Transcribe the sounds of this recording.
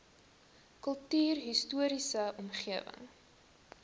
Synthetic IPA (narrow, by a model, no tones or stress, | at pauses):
kəlˠtyːrɦistuəɾisəɔmχiəvə̰ŋ